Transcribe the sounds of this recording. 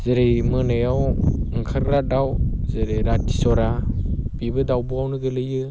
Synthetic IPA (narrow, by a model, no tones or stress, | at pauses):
zɯɾejmɯnɯjawŋkʰaɾɾadawzɯɾejɾati̥sɔɾab̥ibɯdawbuawnɯɡɯlɯjɯ